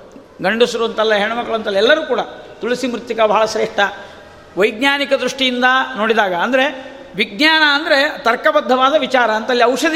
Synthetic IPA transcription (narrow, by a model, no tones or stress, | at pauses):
ɡɐɳɖusɾuɐnt̪ɐlːɐɦeɳumɐɡɐɭuɐnt̪ɐlːɐɛlːɐɾuːkuːɽɐt̪uɭisimɾut̪jɐkɐbʱɐɦaɭɐsɾeːʂʈɐ | ʋɐjɡɲaːnikɐd̪ɾuʂʈijind̪ɐno̞ːɽid̪aːɡɐːnd̪ɐɾe̞ | ʋiɡ̚ɲaːnɐːnd̪ɐɾet̪ɐɾkɐbɐd̪ʱːɐʋaːd̪ɐʋit͡ʃaːɾɐːnt̪ɐlːiɐwʂɐd̪i